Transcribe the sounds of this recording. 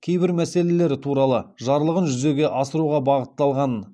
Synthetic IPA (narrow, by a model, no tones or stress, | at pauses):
kʲʰejbɪɾmæse̞le̞le̞ɾɪt̪ʰuɾɑlˠəʒɑɾlˠəʁənʒʏze̞ɡʲe̞ʔɑsəɾuʁɑbɑʁət̪ːɑlˠʁɑn